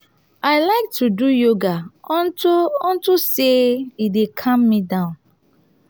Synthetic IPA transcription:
aɪlaɪk̚tʰudujoɡatɔ̃ntuseidekʰãmːidãʊ̃n

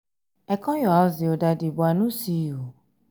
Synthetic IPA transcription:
ɛkɔ̃jɔaziwodadibɔanũsijo

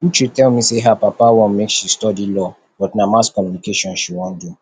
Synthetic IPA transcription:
ut͡ʃitɛlmiseɦapapawɔ̃nmekʃistɔdilɔ | b̥ɔtnamaskɔ̃mjunikeʃɔ̃nʃiwɔ̃ndu

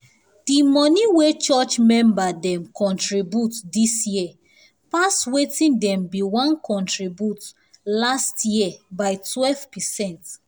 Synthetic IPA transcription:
dimɔniwet͡ʃɔt͡ʃmɛ̃mbadɛ̃mkʰɔ̃ntɹibjutdisjiɛ | paswetĩndɛ̃mbiwãnkɔ̃ntɹibjut | lastjiɛbaɪtwɛlvpɛsɛ̃nt

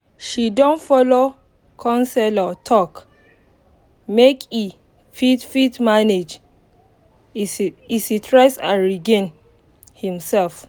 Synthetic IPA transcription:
ʃidɔ̃ntfɔlo | kʰɔ̃nsɛlɔtʰɔk | mekʰi | fitfitmaned͡ʒ | isitʰɹɛsã̰nɹiɡẽn | hĩmsɛlf

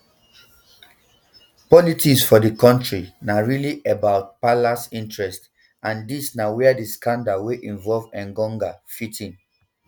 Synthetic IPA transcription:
pɔlitiksfɔdəkɔ̃ntɹinaɹiliʔebaʊt̚palasĩntɹɛst | ãndisnawiadiskãndaweʔĩɱvɔlvɛ̃nɡɔ̃ŋɡafitʰĩn

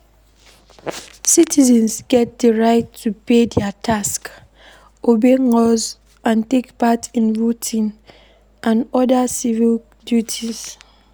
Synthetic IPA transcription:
sitʰizɛ̃nsɡɛt̚dəɹaɪtʰːupedɛatʰask | ʔobeŋɔz | ʔãntekpatĩnvotʰĩŋ | ʔãnɔdasivil | djutʰiz̥

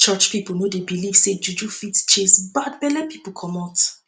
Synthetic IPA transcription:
t͡ʃɔt͡ʃpipl̩ˠnodebiliv̥sed͡ʒud͡ʒufitt͡ʃesbadbɛlɛpʰipl̩ˠkʰɔmɔt

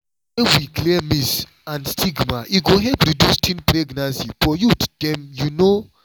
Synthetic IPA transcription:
ɛ̃nwikliɛmis | ãnstʰiɡmaʔiɡoɦɛpɾidustʰĩnpɾeɡnasifɔjutd̥ɛ̃mjuno

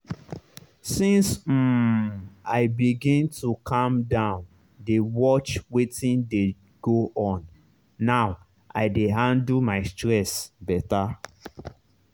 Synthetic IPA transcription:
sĩnsm̩ | aɪbiɡĩntukʰãmdãʊ̃n | dewɔt͡ʃwetĩnde | ɡ̥oʔɔ̃nː | aʊ | ʔaɪdeɦãndlmaɪstɹɛsbɛta

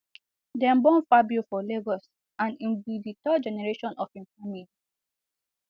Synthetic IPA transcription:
dɛ̃mbɔ̃nfabjufɔleɡɔs | ãnĩnviditɔd͡ʒɛnɛɹeʃɔ̃nʔɔfĩnfãmĩ

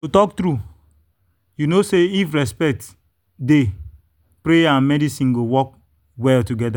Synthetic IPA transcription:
tutɔk̚tɾu | junoseifɹɛspɛk̚t | de | pɾeãnmɛdisĩnɡowɔk̚ | wɛltuɡɛda

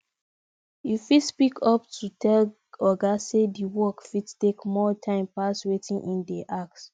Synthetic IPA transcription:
jifispikʰɔp̚tʰutʰɛl | ɔɡasediwɔkfidtekmɔtʰãɪ̃mpaswetĩŋʔĩndɛʔak̚s

